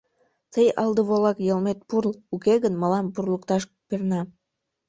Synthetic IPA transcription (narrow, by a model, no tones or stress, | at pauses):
t̪ejɑlˠd̪əβolɑkjəlˠmet̪̚purlukeɣənmɑlɑmpurlˠəkt̪ɑʃ | pirnɑ